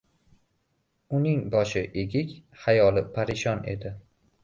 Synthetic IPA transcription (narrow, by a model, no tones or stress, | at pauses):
ʊnɪŋbɒʃɪʔeɡʲɪkʲhajɒlˠɪpʰaɾɪʃɒnʔe̞̰d̪ɪ